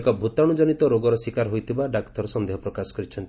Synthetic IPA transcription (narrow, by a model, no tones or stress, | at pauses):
kɔbʱut̪aɽ̃ud͡ʒɔnit̪ɔɾoɡɔɾɔsikaɾɦojt̪ʰibaɖakt̪ɔɾɔsɔnd̪eɦɔpɾɔkasɔ̥kɔɾit͡ʃʰɔnt̪